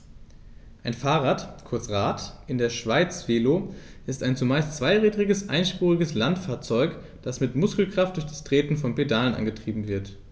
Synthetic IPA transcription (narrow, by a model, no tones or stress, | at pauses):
ʔaɪnfaːʁaːtkʰʊɐt͡sʁaːtʔɪndeːɐʃv̥aɪt͡sv̥eːloː | ʔɪstaɪnt͡sumaɪst͡sv̥aɪʁiːdʁɪɡəsʔa̰ɪnʃpuːʁɪɡəslantfaːɐt͡sɔʏk | d̥asmɪtmʊskl̩kʁ̥aft̚d̥ʊɐçd̥astʁ̥eːtn̩fɔnpedaːlənʔa̰nɡətʁ̥iːbm̩vɪɐt